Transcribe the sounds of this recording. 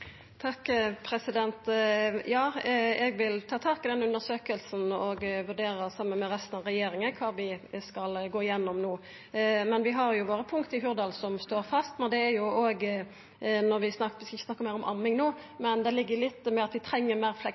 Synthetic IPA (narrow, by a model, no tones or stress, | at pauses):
t̪ʰɑkːpʰɾɛsɪd̪ɛnt̪jɑːɛɡʋɪlt̪ʰɑːt̪ʰɑːkɪd̪ɛnʉnəɾsøːkəlsn̩ɔɡʋʉʁɖeːɾəsɑmːənmɛɾɛst̪n̩ɑʋɾɛjeːɾɪŋəkʰɑːʋɪskɑlɡoːɪjɛnːɔmnuː | mɛnʋɪɦɑɾjʊʋoːɾəpʰʊŋkt̪əɪɦʉɾd̪ɑːlsɔmst̪oːɾfɑst̪mɛnd̪ɛæɾjʊoːɡ | nɔɾʋɪsnɑkʋɪskɑɪçːəsnɑkːəmæɪɾɔmʔɑ̰mːɪŋnuː | mɛnd̪ɛlɪɡːəlɪt̪ːmɛɑt̪ʋɪt̪ʰɾɛŋːəɾmæːɾflɛ